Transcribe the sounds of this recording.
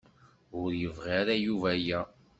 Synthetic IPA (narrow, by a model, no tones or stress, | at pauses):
ʊɾjəvʁiɾajuvæjæ